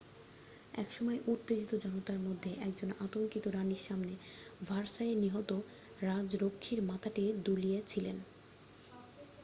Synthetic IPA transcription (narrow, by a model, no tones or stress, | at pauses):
ɛ̰kʃɔmɔeʔut̪ːed͡ʑit̪od͡ʑɔnot̪aɾmod̪ʱːeʔɛkd͡ʑonat̪oŋkit̪oɾaniɾʃamnevʱaɾʃaeniɦɔt̪o | ɾad͡ʑɾokʰːiɾmat̪ʰaʈid̪uliet͡ɕʰilen